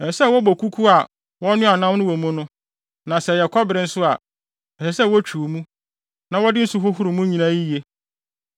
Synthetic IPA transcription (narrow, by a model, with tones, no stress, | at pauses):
ɛ˨sɛ˦˨wɔ˦bɔ˨kʰu˦kʰu˦a˨ | wɔ˦nʊ̃˦a˨nã˦mnʊ̃˦wɔ˨mʊ̃˦nʊ̃˦ | nã˨sɛ˨jɛ˨kʰɔ˦bɪ˨ɾɪ˦n̩˦sʊ˦a˨ | ɛ˨sɛ˨sɛ˦˨wɔ˦t͡ɕᶣʰu˨o˨mũ˦ | nã˨wɔ˦dɪ˦n̩˦sʊ˦ɦʊ˦ɦʊ˦ɾʊ˨mũ˦ɲĩ˨nã˦i˦˨e˦